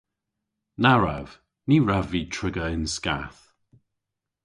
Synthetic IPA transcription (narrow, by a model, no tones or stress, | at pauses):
naɹa̰v̥ | niːɹaviːtʰɹɪɡəɪnskaθ